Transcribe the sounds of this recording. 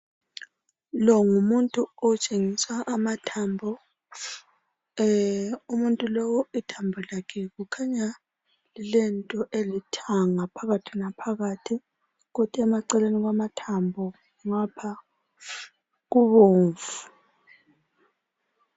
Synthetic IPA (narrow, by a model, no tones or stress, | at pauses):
lɔŋumuntʼuɔt͡ʃʼeŋiswaʔːmatʰambʱɔ | umuntʼulɔwɔitʰambʱɔlakʰɛɣukʰaɲa | lɛntʼɔʔelitʰaŋapʰaɣatʰinapʰaɣatʰi | ɣutʰʼɛmaǀɛleniɣamatʰambʱɔ | ŋapʰa | ɣuβoːɱvu